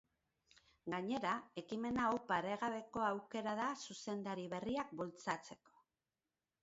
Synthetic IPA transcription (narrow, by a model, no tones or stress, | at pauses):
ɡaɲe̞ɾae̞kime̞naowpaɾe̞ɣaβe̞ko̞awke̞ɾaðasuse̞nd̪aɾiβ̞e̞riak̚bult͡sat͡se̞ko̞̥